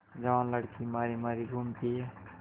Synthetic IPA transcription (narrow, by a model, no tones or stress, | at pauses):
d͡ʒawnləɽkʰimaɾimaɾiɡʱumt̪i